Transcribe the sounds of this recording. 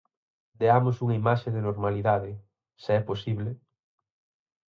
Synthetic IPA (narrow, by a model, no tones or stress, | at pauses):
d̪eamosuŋɐimaʃeðɪnoɾmaliðaðɪ | seɛposiβle